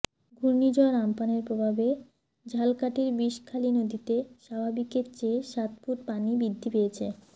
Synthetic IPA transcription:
ɡʱuɾnid͡ʑɔɾampaneɾpɾobʱabe | d͡ʑʱalkaʈiɾbiʃkʰalinod̪it̪eʃabʱabikeɾt͡ɕeʃat̪̚puʈ̚panibid̪ʱːipeet͡ɕʰe

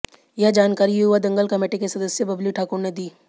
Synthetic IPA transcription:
jɐɦd͡ʒaːnkaːɾijuɦʊʋad̪ɐ̃ŋɡəlkɐmeːʈekesɐd̪əsjəbɐbluʈʰaːkʊɾned̪iː

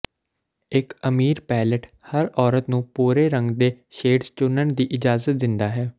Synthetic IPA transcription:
ɪkəmiːɾpɛːləʈ | həɾɔːɾət̪nũːpuːɾeːɾəŋɡd̪eː | ʃeːɖzt͡ʃʊnəɳd̪iːʔɪd͡ʒaːzət̪̚d̪ɪnd̪aːɦɛː

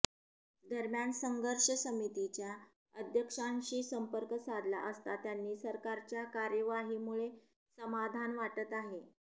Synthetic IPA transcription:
d̪ʱəɾmjansəŋɡʱəɾʂəsəmit̪it͡ɕja | əd̪ʱjəkʂãnɕiːsəmpəɾkəsad̪la̰ʔəst̪at̪janːiːsəɾkaɾt͡ɕjakaɾjəʋaɦiːmuɭe | səmad̪ʱanʋaʈət̪aɦe

